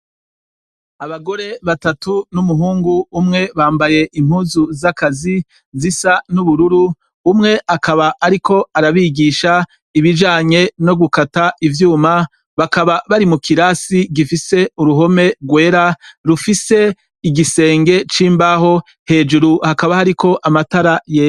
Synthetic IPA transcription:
aβaɡo̞ɾe̞βatatunumuɦuːŋɡuːmŋe̞βaːmbaje̞ʔimhuːzuzakazi | zisanuβuɾuɾuː | mŋe̞ʔakʰaβaʔaɾikʰo̞aɾaβiɡiʃa | iβid͡ʒaːɲe̞no̞ɡukataʔivjuːma | βakaβaβaɾimukʰiɾaːsiɡifise̞uɾuɦo̞me̞ɾɡwe̞ːɾaɾufise̞ | iɡise̞ːŋɡe̞t͡ʃiːmbaɦo̞ | he̞ːd͡ʒuɾuhakaβahaɾikʰo̞ʔamataɾaje

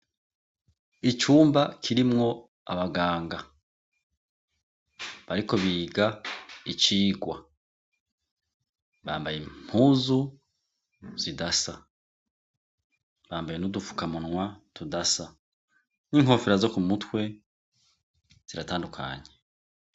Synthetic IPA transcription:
it͡ʃuːmbakʰiɾimŋo̞ | a̰βaɡaːŋɡa | βaɾiko̞βiːɡait͡ʃiːɡwa̰ | βaːmbajem̥huːzu | z̥idasa | βaːmbaje̞nudufu̥kamunŋwatudasa | niŋɦo̞ːfiɾazo̞kumutwe̞ | z̥iɾataːndukʰa̰ɲe

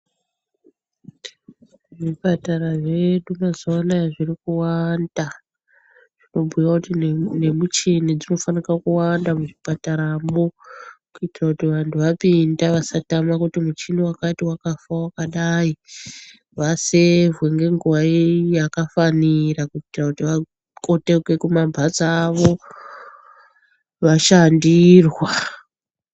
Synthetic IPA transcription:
ʐipataraʐe̞ɗumazonaʐirikuwanda | ʐ̥ino̞bʱujjakutine̞mut͡ʃinid͡zino̞fanikakuwandamuʐipataɾaːmokuitirakutiʋantʰuʋapindaʋasatamakutimut͡ʃiniwakatiwakafawakaɗai | ʋasevweŋɡe̞ŋɡuʋaijakafanirakutirakutiʋa | ko̞te̞kwe̞kumabʱat͡saːʋo̞ | ʋaʃandirwa

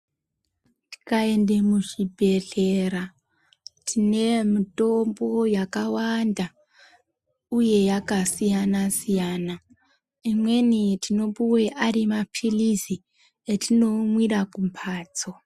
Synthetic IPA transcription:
ti̥kae̞nde̞muʐibʱe̞ɮe̞ɾa | tʰine̞mito̞mbo̞jakawanda | uje̞jakasijanasijaːna | imwenitʰino̞puweʔarimapʰilizi | etʰino̞mwirakumpʰaːt͡so

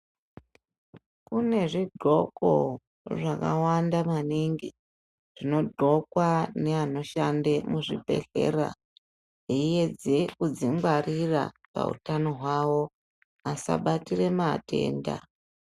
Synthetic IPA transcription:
kune̞ʐiɡ͡ǃʱo̞ko̞̰ | ʐakawandamaniŋɡi | ʐ̥ino̞dʱo̞kwane̞ano̞ʃande̞muʐibʱe̞̰ɮe̞̰ra̰ | ije̞d͡zekud͡ziŋɡarira̰pa̰ṵtano̞ɦwawo̞ | asa̰ɓatire̞mate̞̰ːnda̰

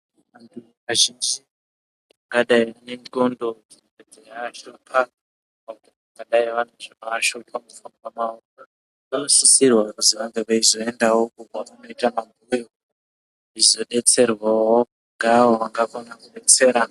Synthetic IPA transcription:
antu | ʋaʒind͡ʒi | aŋɡaɗaianenondotined͡zʱejaːt͡ʃopʰa | pautiakaɗaiʋaneʐeaaʃopʰamufumwamaoka | anosusirwakutiʋaŋɡeʋaizo̞e̞ndawo̞kupaano̞itamamʱojo | izo̞ɗe̞t͡se̞rwawo | ŋɡawoʋaŋɡakonakuɗe̞t͡se̞ːɾa

